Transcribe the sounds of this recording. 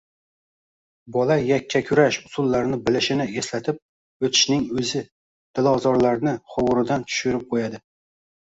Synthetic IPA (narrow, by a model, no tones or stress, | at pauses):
bɒlajakʲʰːakʲʰʊɾaʃʊsʊlˠːaɾnɪbɪlɪʃɪnɪe̞slat̪ʰɪp̚ | ɵt̪ʰɪ̥ʃnɪŋɵzɪ | d̪̥ɪlɒzɒɾlaɾnɪχowʊɾɪd̪ant̪ʰʊ̥ʃʊɾɪp̚qʰojad̪ɪ